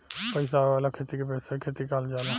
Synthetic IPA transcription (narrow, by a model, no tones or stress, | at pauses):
pəɪsaaːlakʰeːt̪ikepɛjsakʰeːt̪ikald͡ʒaːna